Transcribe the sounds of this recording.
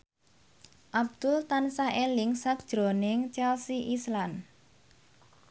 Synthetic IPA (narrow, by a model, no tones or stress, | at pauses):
ʔab̚d̪̥ʊlt̪ansaʔelɪŋsak̚ʒ̥ɾo̤nɪŋt͡ʃɛlsiʔislan